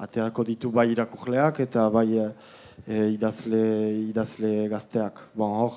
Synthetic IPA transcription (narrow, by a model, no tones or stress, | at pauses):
a̰t̪eako̞ðit̪uβajiɾakurle̞ake̞t̪aβaj | iðazleiðazle̞ɡast̪e̞akbooɾ